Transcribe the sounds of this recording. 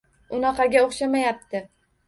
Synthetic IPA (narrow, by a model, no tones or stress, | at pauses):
ʊnɑqɑɡʲaoχʃamajap̚t̪ʰɪ